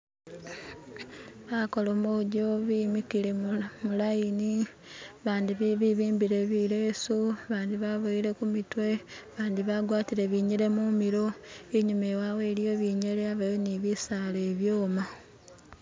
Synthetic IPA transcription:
βako̞lomoɟoβimikiɾe̞mulajini | βaːndiββiβiːmbiɾe̞βileːsuβaːndiβaβoiɾe̞kumitwe̞βaːndiβaɡwaːtiɾeβiːɲeɾe̞mumiɾo̞eɲumewawe̞ːɾijo̞βiːɲeɾeaβajoniβisaleːβjoːma

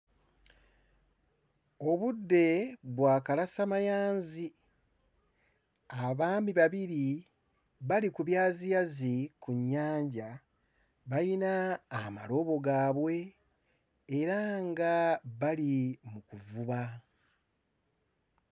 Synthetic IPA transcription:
o̞βudːe̞βwaːkalasamajaːnzi | aβaːmbiβaβiɾi | βalikuβjaːzijazikuɲːaːɲɟa | βajinaːma̰lo̞βo̞ɡaːβwe̞ | ɾaŋɡaβalimukuvuβa

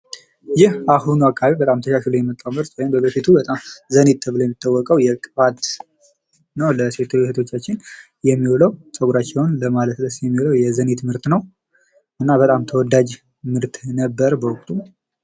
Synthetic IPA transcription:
jɪhaɦunuakʰːaβibət̪ʼamt̪ʰəʃaʃlujɛmət̪ʼːawmɨɾt̪wɔjimbəbəfit̪ʰubət̪ʼamzənet̪ʰːəβləjɛmːit̪ʰːawːɔkʼəwjɛkʼβat̪ | nəwləse̞t̪ʰːɨlst̪ʰo̞t͡ʃːat͡ʃːɪn | jɛmːiwoləwsʼəɡuɾat͡ʃːɛwnləmalət̪ləsjɛmːiwoləwjɛzənet̪mɨɾt̪nəw | ʔɨnːabət̪ʼamt̪ʰəwɔd̪ad͡ʒ | mɨɾt̪ʰnəbːəɾbəwʊkʼt̪ʼu

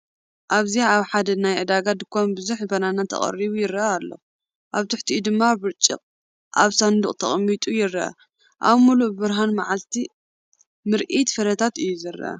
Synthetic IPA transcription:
ʔaβziaaβħad̪ɐnajʕɨd̪aɡad̪ɨkʰːonbɨzuħbɐnanat̪ʰɐ̰χʼɐ̰ɾiβujɪɾɐʔalːo̰ | ʔaβt̪ʰɨħt̪ʰiʔːd̪ɨmːaβɨɾt͡ʃʼːɪ̰qʼ | ʔaβsand̪uχʼt̪ʰɐ̰χʼmːit̪ʼujɪrːɐ̰ʔɐ̰ | ʔa̰βmulubɨbɨɾɦanmaʕalt̪ʰi | mɨɾʔit̪fɐɾɐt̪ʰat̪ɨjːuzɨrːɐ̰ʔɐ̰

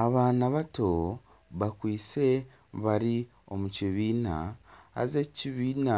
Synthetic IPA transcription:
aβaːnaβato | βakwiːt͡se̞ | βaɾi | o̞̰muciβiːna̰ha̰zeciβiːna

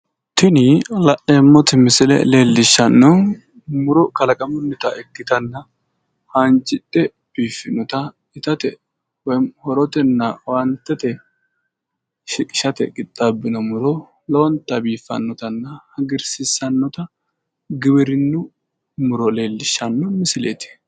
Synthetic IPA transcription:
t̪ɪnɪlɐʔemːɔt̪ɪmɪsɪlɛ̰le̞ːlːɪʃːɐnːɔ | mʊɾɔkɐlɐkʼɐmʊnːɪt̪ɐʔɛkːɪt̪ɐnːɐ | hɐnt͡ʃʼɪtʼːɛ | b̥iːfːɪnɔt̪ɐ | ɪt̪ɐt̪ɛ | wɔjhɔɾɔt̪ɛnːɐwɐnt̪ɛt̪ɛ | ʃɪkʼɪ̥ʃɐt̪ɛ̰kʼɪt̪ʼːabːɪnɔmʊɾɔ | lɐwɔnt̪ːɐbiːfːɐ̰nːɔt̪ɐnːɐhɐɡɪɾsɪsɐnːɔt̪ɐ | ɡɪbɪɾɪnːʊ | mʊɾɔle̞ːlːɪʃːɐnːɔmɪsɪlḛːt̪ɪ̥

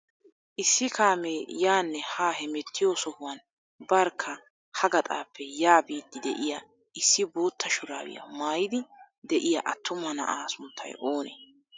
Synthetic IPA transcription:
ʔɪsːɪkaːmeːjaːnːɛhaːhɛmɛt̪ːɪjoːsɔhʊwɐn | bɐɾkʰːɐ | hɐɡɐt̪ʼa̰ːpʰːɛjaːbiːd̪ːɪd̪ɛ̰ʔɪjɐ | ʔɪsːɪboːt̪ʰːɐʃʊɾa̰ːwɪ̰jɐ̰maːjɪd̪ɪ | d̪ɛʔɪjɐ̰ʔɐt̪ːʊmɐnɐ̰ʔaːsʊnt̪ʰːɐ̰jʔo̞ːnḛː

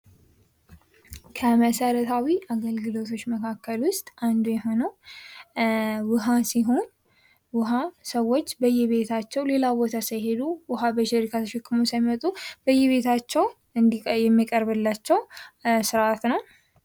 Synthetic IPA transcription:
kʰəməsəɾət̪ʰawiʔaɡəlɡɨlo̞t̪ʰo̞t͡ʃːməkʰakːəlwʊst̪ʼand̪ujɛɦo̞nəw | wʊɦasiɦo̞n | wʊɦasəwːo̞t͡ʃːbəjːɛβe̞t̪ʰat͡ʃːɛwle̞labo̞t̪ʰasəjɦe̞d̪uwʊɦabəʃɪɾikʰat̪ʰəʃɪkːɨmosəjmmət̪ʼubəjːɛβe̞t̪ʰat͡ʃːɛw | ɨnjɛmːikʼəɾbɨlːat͡ʃːɛwsɨɾʔat̪nəw

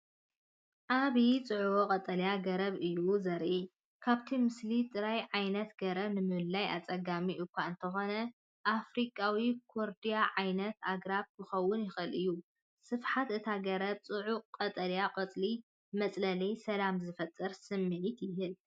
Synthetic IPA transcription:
ʔaβit͡sʼɨʕuwoqʼɐt̪ʼɐljaɡɐɾɐβɨjuzɐɾʔi | kʰaβt̪ʰimɨslit̪ʼɨɾajʕajnɐt̪ɡɐɾɐβnɨmɨɨlːaja̰t͡sʼɐɡamiʔɨkʷʰːaɨnt̪ʰɐxo̞nɐ | ʔafɾikʼawikʰoɾd̪ijaʕajnɐt̪aɡɾabkʰɨxɐwːʊnjɪxɨlɨjːu | sɨfħat̪ɨt̪ʰaɡɐɾɐb̚t͡sʼɨʕuqʼɐt̪ʼɐljaqʼɐt͡sʼli | mɐt͡sʼlɐlijsɐlamzɨfɐt̪ʼːɨɾsɨmːɨʕit̪jɪɦɨl

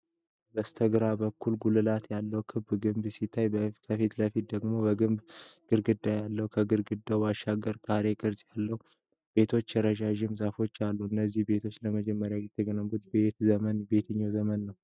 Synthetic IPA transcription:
bəst̪ʰəɡɾabəkʰːulɡulɨlat̪jalːəwkʰɨbɡɨmbsit̪ʰːajkʰəfit̪ləfit̪̚d̪əɡmo̞bəɡɨmbɡ̥ɨɾɡɨd̪ːajalːəhukʰəɡɨɾɡɨd̪ːawaʃaɡəɾkʼaɾe̞kʼɨɾsʼjalːəhu | b̥e̞t̪ʰo̞t͡ʃːjɛɾəʒaʒɪmzafo̞t͡ʃːalːuɨnːəzːihbe̞t̪ʰo̞t͡ʃːləməd͡ʒɛmːəɾjajɪt̪ʰʼːɨɡənəmɡut̪be̞t̪zəmənbe̞t̪ʰɨɲːazəmənːəw

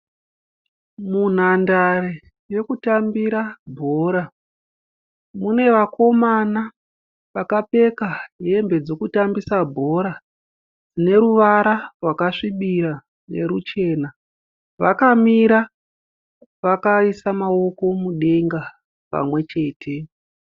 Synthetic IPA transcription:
mun̤andare | je̞kutambiɾabʱo̞ːɾa | mune̞ʋako̞mana | ʋakape̞kaɦe̞mbe̞d͡zo̞kutambisabʱo̞ɾa | d͡zine̞ɾuʋaɾarwakaʂiɓiɾa | ne̞̰ɾut͡ʃe̞ːna | ʋakamiɾa | ʋakaisamao̞ko̞muɗe̞ŋɡa | pa̰mwe̞t͡ʃe̞ːtʰe̞

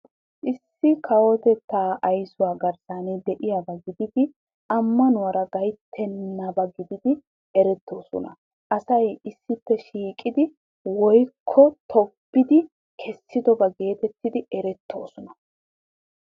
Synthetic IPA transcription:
ʔɪsːɪkʰɐwɔt̪ɛt̪ːaːʔɐjsʊwaːɡɐɾsaːnɛd̪ɛʔɪjaɡɐɡɪd̪ɪd̪ɪ | ɐmːɐnʊwɐɾɐɡɐjt̪ʰːɛnːɐbɐɡɪd̪ɪd̪ɪ | ɛɾɛt̪ːo̞ːsɔ̰nɐ̰ | ʔɐsɐjɪsːɪpːɛʃiːkʼɪd̪ɪ | wɔjkʰːɔt̪ʰɔpːɪd̪ɪ | kʰɛsːɪd̪ɔbɐɡe̞ːt̪ɛt̪ːɪd̪ɪɛɾɛt̪ːo̞ːsɔnɐ

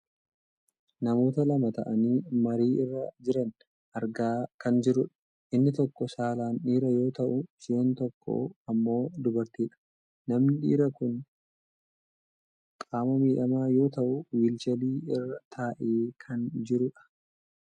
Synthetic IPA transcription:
nɐmo̞ːt̪ɐlɐmɐt̪ɐʔɐniːmɐɾiːɪrːɐd͡ʒɪɾɐn | ʔɐɾɡaːkɐnd͡ʒɪɾʊᶑɐ̥ | ʔɪnːɪt̪ɔkːɔsaːlaːnᶑiːɾɐjo̞ːt̪ɐʔʊsɪɛnt̪ɔkʰːo̰ɐmːo̞ːd̪ʊbɐɾt̪iːᶑɐ̥ | nɐmnɪᶑḭːɾɐkʊn | kʼaːmɐmiːᶑɐmaːjo̞ːt̪ɐʔʊwiːlt͡ʃɛliːɪrːɐt̪ʰaːʔeːkʰɐnd͡ʒɪɾʊᶑɐ̥

